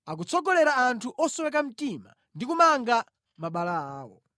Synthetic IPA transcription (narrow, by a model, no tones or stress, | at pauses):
ak̬ut͡sʰɔɡɔlɛɾaantʰuʔɔsɔwɛk̬am̩tima̰ | ndikumaŋɡa | maɓalaaːwɔ̰